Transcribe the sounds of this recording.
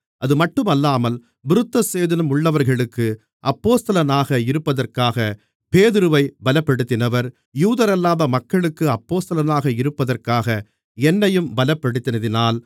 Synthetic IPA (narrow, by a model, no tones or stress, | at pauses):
ʔɐðɯmɐʈːɯmɐlːaːmɐl | bʊɾɯt̪ːɐseːðɐnɐmʊɭːɐʋɐɾɣɐɭɯkːɯ | ʔɐpːoːst̪ɐlɐnaːɣɐɪɾɯpːɐðɐrkaːɣɐ | peːðɪɾɯʋɐɪbɐlɐpːɐɽɯt̪ːɪnɐʋɐɾ | juːðɐɾɐlːaːðɐmɐkːɐɭɯkːɯɐpːoːst̪ɐlɐnaːɣɐɪɾɯpːɐðɐrkaːɣɐ | ɛnːɐjɯmbɐlɐpːɐɽɯt̪ːɪnɐðɪnaːl